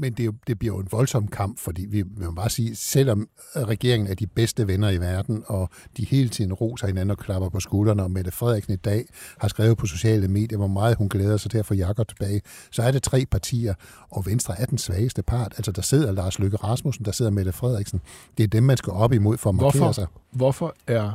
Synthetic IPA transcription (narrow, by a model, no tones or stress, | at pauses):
mend̥e̝jo̝d̥e̝b̥liɐ̰joe̝nʋɒ̽lsɒ̽m̰kʰɑ̈m̰b̥fɒ̽d̥ḭːʋiʋe̝mæb̥ɑ̈ːsiːsel̰ɒ̽m | ʁɛɡ̥e̝ɐe̝ŋn̩æɐd̥ib̥esd̥əʋenɐiʋæɐd̥n̩ɒ̽d̥ihe̝̰ːlət͡sʰið̞̰ˠn̩ʁo̝̰ːsɐhe̝næn̩ɒ̽kʰlɑ̈b̥ɐpʰɒ̽sɡ̥uːlɐnəɒ̽med̥əfʁɛð̞ˠiɡ̥sn̩id̥ɛ̰ːhɑ̈sɡ̥ʁɛːʊðˠpʰɒ̽so̝ɕɛ̰ːləme̝̰ːd̥jɐʋɒmɑ̈ːð̞̩ˠhunɡ̥leːð̞ˠɐsɑ̈ɪd̥eɐ̰fɒjɑ̈kʰɒ̽b̥̚t͡sʰe̝b̥ɛːɪ | sɒ̽æɐɾe̝t͡sʰʁɛ̰ːpʰɑ̈t͡sʰḭːɐ | ɒ̽ʋensd̥ʁɐæɐd̥ensʋɛːɪəsd̥əpʰɑ̈ːd̥ælsɐd̥ɑ̈se̝ð̞̰ˠɐlɑ̈ːsløɡ̥əʁɑ̈smusn̩d̥ɑ̈se̝ð̰ˠɐmed̥əfʁɛð̰ˠiɡ̥sn̩d̥e̝æɐd̥emːænsɡ̥æʔɒ̽b̥əimo̝ð̞̰ˠfɒːmɑḛɐsɑ̈ɪʋɒfɒæɐ